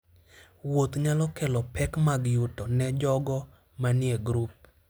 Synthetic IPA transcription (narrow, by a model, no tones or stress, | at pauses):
wot̪ɲalɔkɛlɔpɛkmaɡjutɔnɛd͡ʒɔɡɔ | manɪeɡɾup̚